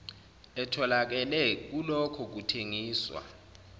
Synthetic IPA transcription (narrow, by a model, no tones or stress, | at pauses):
ɛtʰɔlak̬ɛlɛk̬ulɔkʰɔk̬utʰeŋiːswa̰